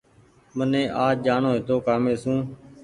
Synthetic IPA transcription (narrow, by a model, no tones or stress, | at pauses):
mənẽːʔaːd͡ʒaːɳõːɦet̪oːkaːmeːsũː